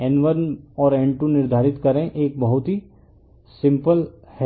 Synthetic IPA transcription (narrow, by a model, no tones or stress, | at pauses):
ɛnʋəɾnɔːɾɛ̃ɳʈunɪɾd̪ʱaːɾɪt̪kɐɾẽʔeːk̚bɐɦʊt̪ɦi | sɪ̃mpəlhɛ